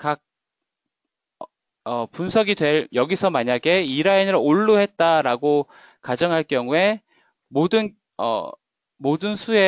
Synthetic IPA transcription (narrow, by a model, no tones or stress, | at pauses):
kak̚ | ʌpunsʰʌɡidwe̞ɭjʌɡisʰʌmaɲaɡe̞iɾainɯɾoɭːuɦe̞t̚t͈aɾaɡo | kad͡ʑʌŋɦaɭk͈jʌŋue̞ | modɯn | ʌ̰ | modɯnsʰue